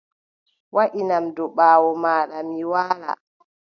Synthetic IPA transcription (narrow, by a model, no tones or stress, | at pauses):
waʔinamdɔɓaːwɔmaːɗamiwaːɾa̰